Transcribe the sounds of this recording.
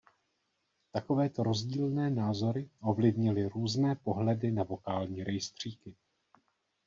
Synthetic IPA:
t̪ako̞vɛːt̪o̞ɾo̞zɟiːlnɛːnaːzo̞ɾɪʔo̞vlɪvɲɪlɪɾuːznɛːpo̞ɦlɛdɪnavo̞kaːlɲiːɾʔɛjst̪r̝̥iːkɪ

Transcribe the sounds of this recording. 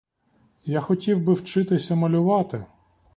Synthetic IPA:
jaxɔtʲiwbɪwt͡ʃɪt̪ɪsʲɐmɐlʲʊʋɑt̪ɪ

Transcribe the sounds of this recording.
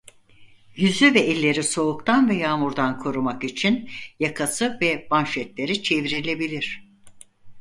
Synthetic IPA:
jyzyvɛɛlʲːe̞ɾiso̞ukt̪ʰanvɛjaːmuɾd̪ankʰo̞ɾumakit͡ʃʰinjakʰasɯvɛbanʃɛt̪lʲe̞ɾit͡ʃʰe̞viɾilʲe̞bilʲiɾ̝̥

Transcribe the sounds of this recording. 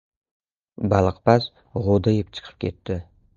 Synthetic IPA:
balˠɨqpas | ʁod̪ajɪpt͡ʃʰɨ̥qʰə̥p̚kʲʰe̞t̪ːɪ

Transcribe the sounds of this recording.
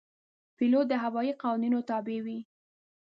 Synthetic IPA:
pilod̪əɦawɑiqɑwninot̪ɑbewi

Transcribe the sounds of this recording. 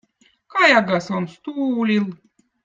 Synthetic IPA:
kɑjɑɡɑsonst̪uːlʲilˠ

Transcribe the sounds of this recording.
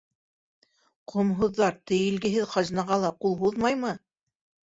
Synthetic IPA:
qʰŏmɦŭðːɑɾt̪ɘ̆jɘ̆lɡɘ̆ɦɘðχɑʒnɑʁɑlˠɑqulˠɦuðmɑjmɤ

